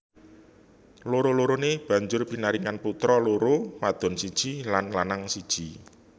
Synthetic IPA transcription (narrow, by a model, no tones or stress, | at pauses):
loɾoloɾoneb̥ä̤ɲd͡ʒʊrpinaɾiŋanput̪ɾɔloɾomad̪̥ɔ̤nsid̥ʒ̥ilanlanaŋsid̥ʒ̥i